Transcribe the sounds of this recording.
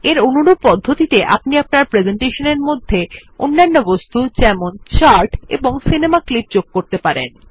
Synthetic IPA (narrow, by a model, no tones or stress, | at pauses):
eɾonuɽubpɔd̪ʱːot̪it̪eʔa̰pniap̚naɾpɾed͡ʑeɳʈeʃoneɾmod̪ʱːeo̰nːanːobost̪ut͡ɕɛmont͡ɕaɾʈḛboŋsinemaklip̚d͡ʑoɡ̚koɾt̪epaɾḛn